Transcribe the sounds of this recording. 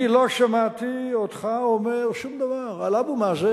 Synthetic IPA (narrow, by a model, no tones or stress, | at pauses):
iloʃamat̪iod̪χaomeʁʃumd̪avaʁalabumaːze